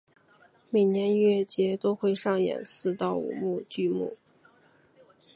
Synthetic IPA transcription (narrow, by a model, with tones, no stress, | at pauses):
mi˨˩ŋnjɛ˧˥n˥ɥɛ˥˩t͡ɕjɛ˧˥t̪o˥ʊxwe˥˧ɪʂɑ˥˩ŋjɛ̰˨˩nsɹ̩˥˧t̪ɑ˥˩ʊṵ˨˩mu˥˧t͡ɕy˥˧mṵ˥˩